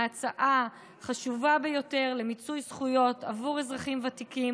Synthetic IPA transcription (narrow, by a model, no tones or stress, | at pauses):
at͡saʔa | χaʃuvabejo̞te̞ʁle̞mit͡sujsχujo̞ta̰vuʁezʁaχimvatikim